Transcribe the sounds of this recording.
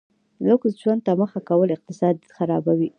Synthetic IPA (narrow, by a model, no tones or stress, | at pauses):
ləksʒwand̪̚t̪aməxakawəlɪq̚t̪ɪsɑd̪xaɾɑbawi